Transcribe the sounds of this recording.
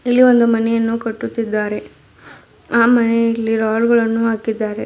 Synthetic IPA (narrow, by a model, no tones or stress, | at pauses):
ilːiʋo̞nd̪umɐnɛjɐnːukɐʈːut̪ːid̪ːaːɾe̞ | aːmɐnɛilːiɾaːlɡɐɭɐnːuɦaːkid̪ːaːɾe